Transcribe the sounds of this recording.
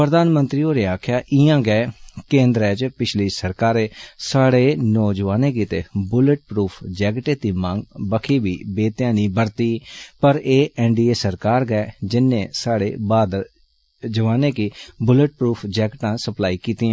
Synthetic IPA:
pɾəd̪aːnmənt̪ɾiːoːɾeːaːkʰjaːʔɪjãːɡɛɛkẽːnd̪ɾɛːt͡ʃpɪt͡ʃʰliːsəɾkaːɾeːsaːɽeːnɔːd͡ʒəʋaːneːkiːt̪eːbʊləʈ̚pɾuːpʰd͡ʒɛːɡʈeːt̪iːmãŋɡbəkʰiːbiːbeːt̪jãːniːbəɾt̪iːpəɾeːʔɛːɳɖiːeːsəɾkaːɾɡɛɛd͡ʒɪnːẽːsaːɽḛːbaːd̪ | d͡ʒəʋaːneːkiːbʊləʈ̚pɾuːpʰd͡ʒɛːɡʈãːsəplaːiːkiːt̪iːɛ̃ː

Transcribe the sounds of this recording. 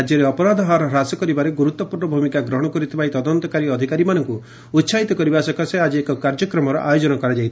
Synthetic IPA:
d͡ʒjɔɾeɔpɔɾad̪ʱɔɦaɾɔɾasɔkɔɾibaɾeɡuɾut̪ɔpuɾnɔbʱumikaɡɾɔɦɔɽ̃ɔkɔɾit̪ʰibait̪ɔd̪ɔnt̪ɔkaɾiɔd̪ʱikaɾimanɔŋku | ut̪ːsaɦit̪ɔkɔɾibasɔkʰasead͡ʒiekɔkaɾd͡ʒɔkɾɔmɔɾɔ̰ʔajod͡ʒɔnɔkɔɾad͡ʒajt̪ʰi

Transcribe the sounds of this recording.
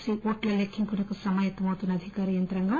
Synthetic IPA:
siʔoːʈlɐlekʰːiŋkunɐkusɐmaːjɐt̪ːɐmɐwt̪unːɐd̪ʱikaːɾijɐnt̪ɾɐŋɡaː

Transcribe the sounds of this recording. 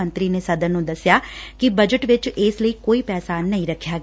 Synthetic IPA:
ə̃nt̪ɾiːneːsəd̪əɾnũːd̪əsjaːkibəd͡ʒəʈʋɪt͡ʃɪːsləiːkoːiːpɛːsaːnːəĩːɾəkʰːjaːɡ

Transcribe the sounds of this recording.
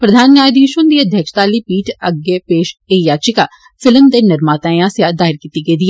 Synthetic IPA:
pɾəd̪ʱaːnnjaːjd̪iːʃõnd̪iːəd̪ʱjəkʃt̪aːliːpiːʈəɡepeːʃeːjaːt͡ʃɪka | fɪləmd̪enɪɾmaːt̪aːjãːsjaːd̪aːɦɪɾkiːt̪iɡed̪ia

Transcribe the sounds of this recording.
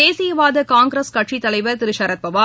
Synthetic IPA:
eːsɪjɐʋaːðɐkaːŋɡɾɐskɐʈʂit̪ːɐlɐɪʋɐɾt̪ɪɾɪʃaːɾɐt̪̚pɐʋaː

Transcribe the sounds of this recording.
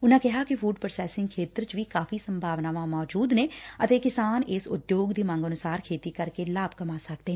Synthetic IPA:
ʊnãːkɪɦaːkɪfʰuːɖpɾəsɛːsɪ̃ŋɡkʰeːt̪ɾt͡ʃʋiːkaːfiːsəmbʱaːʋnaːʋãːmɔːd͡ʒuːd̪neːət̪eːkɪsaːnɪsʊ̰d̪joːɡd̪iːmə̃ŋɡənʊsaːɾkʰeːt̪iːkəɾkeːlaːbkəmaːsək̚d̪eː

